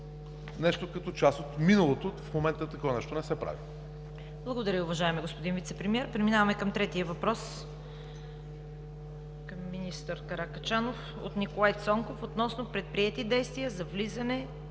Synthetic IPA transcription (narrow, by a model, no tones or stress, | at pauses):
nɛʃt̪okɐt̪ɔt͡ʃasot̪minəlˠot̪ofmomɛnt̪ət̪ɐkɔvɐnɛʃt̪onɛsɛpɾa̰vi | blˠɐɡod̪ɐɾʲəʊvɐʒaɛmiɡospod̪invit̪sɛpɾɛmiɛɾpɾɛminavɐmɛkɐmt̪ɾɛt̪iəvɐpɾɔs | kɐmːinist̪əɾkɐɾakɐt͡ʃanof | o̰t̪nikolˠajt̪sɔŋkofot̪nɔsnopɾɛt̪̚pɾiɛt̪id̪ɛjst̪vijəzɐvlizɐnɛ